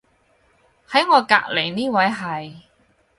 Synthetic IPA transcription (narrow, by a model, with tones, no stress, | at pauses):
hɐ˨˥jŋɔː˨˧ka̰ː˧˥k̚le˨˩jniː˥wɐ˨˥jɦɐ˨j